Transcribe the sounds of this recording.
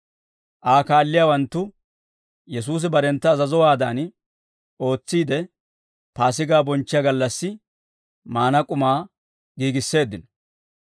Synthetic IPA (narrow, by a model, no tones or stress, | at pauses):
ʔaːkaːlːɪjaːwɐnt̪ːʊ | jɛs̬uːs̬ɪbɐɾɛnt̪ːɐːzɐzɔwaːd̪aːn | o̞ːt͡sːiːd̪ɛ | paːs̬ɪɡaːbɔnt͡ʃːɪjɐɡɐlːɐsːɪ | maːnɐkʼʊmaː | ɡiːɡɪsːe̞ːd̪ːɪnɔ